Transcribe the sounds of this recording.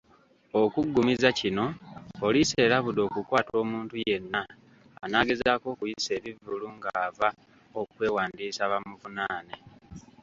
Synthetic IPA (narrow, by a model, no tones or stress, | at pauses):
okuɡːumizacino̞ːlise̞ːlaβudo̞ːkukwaːto̞ːmuːntuje̞nːaː | naːɡe̞zaːko̞ːkujise̞ːβivuluŋɡaːva | okwe̞ːwaːndiːsaβamuβunaːne